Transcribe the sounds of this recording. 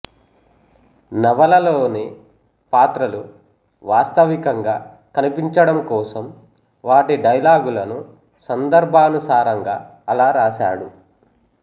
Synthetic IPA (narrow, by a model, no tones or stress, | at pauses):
nɐʋɐlɐloːneː | paːt̪ɾɐlu | ʋaːst̪ɐʋikɐŋɡaː | kɐnipiɲt͡ʃɐɽɐmkɔːsɐm | ʋaːʈiɖɐjlaːɡulɐnu | sɐnd̪ɐɾbʱaːnusaːɾɐŋɡaː | ɐlaːɾaːʃa̰ːɽu